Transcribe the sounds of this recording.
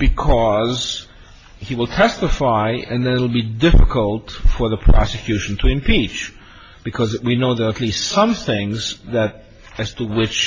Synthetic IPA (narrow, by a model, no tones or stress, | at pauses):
b̥ɨkʰʌz | hiwəlˠtʰɛstəfaɪɨ̃nðɨ̃nɪɾl̩ˠbidɪfɨkəlˠtfə˞ðəpʰɹ̥ɑ̰sɨkʰj̥ʉʃn̩tʰɨɨ̃mpʰit͡ʃ | b̥ɨkʰʌzwinoʊðə˞ətˡlistsʌ̃mθɪ̃ŋzðɨɾ | ɨz̥tʰəwɪt͡ʃ